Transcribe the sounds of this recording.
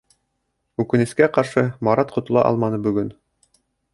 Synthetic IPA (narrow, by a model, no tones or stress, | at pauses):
ʉkɘ̆nɘ̆skæqɑɾʃɤmɑɾɑt̪qŏt̪ŏlˠɑ̰ʔɑ̰lˠmɑnɤbɵ̆ɡɵn